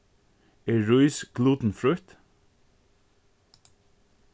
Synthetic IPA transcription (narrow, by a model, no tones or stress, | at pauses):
eːɹʉʏsɡ̥luːt̪n̩fɹʉt̪